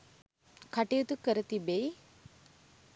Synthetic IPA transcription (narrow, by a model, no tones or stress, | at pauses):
kaʈijut̪ukəɾət̪ibej